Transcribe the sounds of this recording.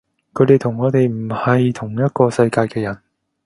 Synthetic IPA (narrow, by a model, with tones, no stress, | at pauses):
kʰɵ˨˧ɥt̪e˨jt̪ʰʊ˨˩ŋːɔː˨˧t̪e˨jm̩˨˩hɐ˨jt̪ʰʊ˨˩ŋjɐ˥t̚kɔː˧sɐ˧jkaː˧jkɛː˧jɐ˨˩n